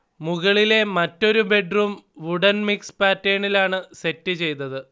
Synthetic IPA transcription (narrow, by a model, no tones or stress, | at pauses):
muɣɐɭile̞mɐtːo̞ɾube̞ɖruːmʋuɽɐnmikspaːtːeːɳilaːɳɨse̞tːɨt͡ɕe̞jt̪ɐðɨ